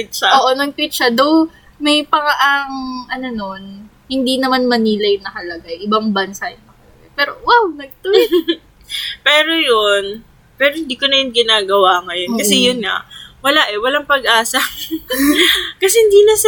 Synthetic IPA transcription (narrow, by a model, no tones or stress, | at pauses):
t͡ʃaʔoʔonɐŋpit̪t͡ʃɐd̪ow | mɐjpɐŋaʔɐŋʔɐnono̞n | hɪnd̪inɐmanmɐniːlɐjʊnɐhɐlɐɡajʔɪbaŋbɐnsajɪnːɐhɐlɐɡapɛːɾo̞wawnɐɡ̚t̪u | pɛːɾo̞jon | pɛːɾohɪnd̪iːkonɐjʊnɡɪnaːɡɐwaŋɐjonkɐsɛjʊnŋɐ̰wɐlaʔɛwɐlaŋpɐɡʔaːsɐ | kɐsɛhɪnd̪iːnɐs